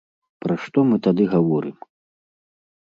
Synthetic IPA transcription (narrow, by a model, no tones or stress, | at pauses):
pɾaʂt̪ɔmɨt̪ad̪ɨɣavɔɾɨm